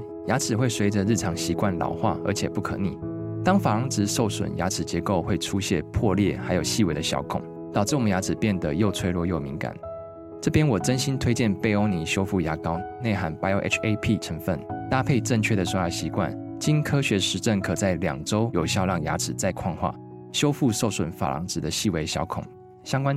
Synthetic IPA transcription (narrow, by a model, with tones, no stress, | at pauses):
ja˧˥t͡sʰɻ̩˨˩xwe˥˩ɪswe˧˥ɪʈ͡ʂə˨ɻ̩˥˩ʈ͡ʂʰɑ˧˥ŋɕi˧˥kwa˥˩nlɑ̰˨˩ʊxwa̰˥˩ə̰˞˧˥t͡ɕʰjɛ˨˩pu˥˩kʰɤ̰˨˧˦nḭ˨˩t̪ɑ˥ŋfa˨˩ɑ˧˥ŋt͡sɻ̩˧˥ʂo˥˩ʊswə̰˨˩nja̰˧˥t͡sʰɻ̩˨˩t͡ɕjɛ˧˥ko˥˧ʊxwe˥˩ɪʈ͡ʂʰu˦ɕjɛ̰˥˧pʰwɔ˥˧ljɛ˥˩xa˧˥ɪjo˨˩ɕi˥˧we˧˩ɪd̪ə˧ɕjɑ̰˧˥ʊkʰʊ̰˨˩˦ŋ | t̪ɑ˨˩ʊʈ͡ʂ̩˥˩˨ja˧˥t͡sʰɻ̩˨˩pjɛ˥˩nd̪ə˩jo˥˧ʊt͡sʰwe˥˧ɪlwɔ˥˧jo˥˩ʊmi˧˥ŋka̰˨˩˦n | ʈ͡ʂɤ˥˩pjɛ˥nwɔ˨˩ʈ͡ʂə˥nɕi˦nt̪ʰwe˥ɪt͡ɕjɛ˥˨npe˥˧ɪo˥ʊni˧˥ɕjo˥ʊfu˥˩ja˧˥kɑ˥ʊne˥˩xa˧˥npa˥ɪo˧˥ʔḛ˥t͡ʃʰe˥ɪpʰi˥˩ʈ͡ʂʰə˧˥ŋfə˥˩nt̪a˥pʰe˥˧ɪʈ͡ʂə˥˧ŋt͡ɕʰɥɛ˥˩d̪ə˨ʂɔ˥˧˥jɑ˥˩ɕi˧˥kwa̰˥˩n | t͡ɕi˥nkʰɤ˥ɕɥɛ˧˥ʂɻ̩˧˥ʈ͡ʂə˥˩nkʰɤ˨˩t͡sa˥˩ɪljɑ̰˨˩ŋʈ͡ʂo˥ʊjo˨˩ʊɕjɑ˥˧ʊlɑ˥˩ŋja̰˧˥ʈ͡ʂʰɻ̩˨˩t͡sa˥˧ɪkʰwɑ˥˧ŋxwa̰˥˩ | ɕjo˥ʊfu˥˧ʂo˥˩ʊswə˨˩nfa̰˨˩lʔɑ̰˧˥ŋt͡sɻ̩˨˩d̪ə˦ɕi˥˩we˧˥ɪɕjɑ̰˧˥ʊkʰʊ̰˨˩˦ŋ | ɕjɑ˥ŋkwa˥n